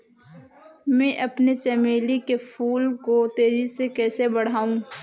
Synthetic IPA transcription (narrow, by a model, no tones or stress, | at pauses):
mɛ̃ːʔɐpnet͡ʃɛmeːlikefʰuːlkot̪eːzisekɛːsebɐɽ̤aːũ